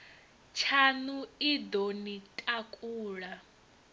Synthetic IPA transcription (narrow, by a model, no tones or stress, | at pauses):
t͡ʃʰanuid̪onitʼakʼuːɺa